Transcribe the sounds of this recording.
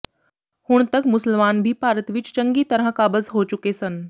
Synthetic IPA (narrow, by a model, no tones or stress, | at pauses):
hʊɽ̃t̪ɐkmʊsəlmaːnbʱipaːɾət̪ʋɪt͡ʃt͡ʃəŋɡit̪ɐɾəɦkaːbəzɦot͡ʃʊkesɐn